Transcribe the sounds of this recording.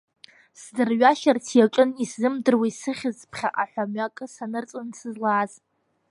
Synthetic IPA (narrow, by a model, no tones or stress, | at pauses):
sdɨrɥaʃartʰjaʈ͡ʂʼɨniszɨmdɨrwisɨχʲɪzpʰχʲa̰ʔaħʷᶣamɥakʼɨsanɨrt͡sʼɨnsɨzlaːz